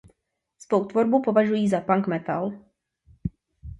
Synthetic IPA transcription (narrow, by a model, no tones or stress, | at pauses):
svowt̪vo̞ɾbupo̞vaʒujiːzapaŋkmɛt̪a̰l